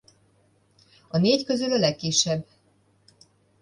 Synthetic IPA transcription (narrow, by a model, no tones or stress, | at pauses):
ɒneːckø̞zylɒlɛkːiʃːɛbː